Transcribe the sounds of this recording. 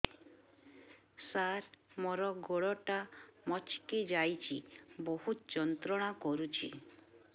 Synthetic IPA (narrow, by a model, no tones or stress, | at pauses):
saɾ | mɔɾɔɡoɭɔʈamɔt͡ʃkid͡ʒajt͡ʃʰiboɦut̪d͡ʒɔnt̪ɾɔɽ̃akɔɾut͡ʃʰḭ